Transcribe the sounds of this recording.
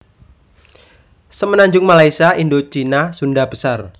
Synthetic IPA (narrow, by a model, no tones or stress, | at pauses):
səmənaɲd͡ʒʊŋmalaisaʔindot͡ʃinasundab̥əsar